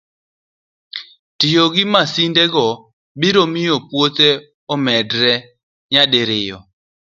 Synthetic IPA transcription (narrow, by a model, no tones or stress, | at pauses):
tɪjoɡɪmasindɛɡɔ | biɾomɪjopwot̪e | ɔmɛdɾɛ | ɲadɪɾɪjɔ